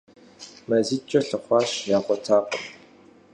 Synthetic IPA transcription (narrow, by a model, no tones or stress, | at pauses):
mɐzit͡ʃʼɐɬɨχʷaːʃjaːχʷɔtʰaːqə